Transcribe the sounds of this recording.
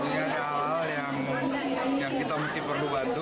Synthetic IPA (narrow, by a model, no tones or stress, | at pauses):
adaɦaɦaljaŋ | jaŋkit̪amasɪhpərlubant̪u